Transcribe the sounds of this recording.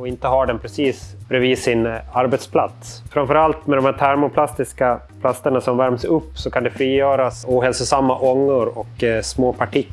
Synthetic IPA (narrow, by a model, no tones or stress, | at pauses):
ɔɪnt̪əɦaɖɛnpʰɾɛsiːsb̥ɾɛviːd̪sɪnaɾbɛt̪spʰla̰t̪sfɾamfœɾalt̪mɛd̪ɔmhæːʈ̪ʰæɾmʊpʰlast̪ɪska | pʰlast̪əɳasɔmvæɾmsɵpːsɔkʰand̪ɛfɾiːjœːɾasuːɦɛlsʊsamːaʔɔŋːʊɾɔksmoːpʰaʈʰɪkː